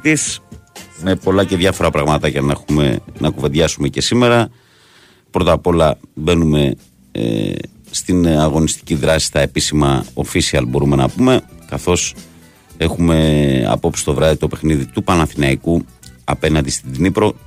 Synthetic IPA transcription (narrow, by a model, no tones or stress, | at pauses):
is | me̞po̞lɐce̞ðʝɐfo̞ɾɐpɾɐɣmɐt̪ɐʝɐnɐxumḛnɐkuve̞nd̪ʝɐsumecesime̞ɾɐ | pɾo̞t̪ɐpo̞lɐbe̞nume̞̰ | st̪inɐɣo̞nist̪i̥ciðɾɐsi̥st̪ɐe̞pisimɐo̞fisiɐlbo̞ɾume̞nɐpume̞kɐθo̞s | e̞xume̞ɐ̰po̞psi̥st̪o̞vɾɐðit̪o̞pe̞xniðit̪upɐnɐθinɐiku | ɐ̰pe̞nɐnd̪ist̪id̪inipɾo̞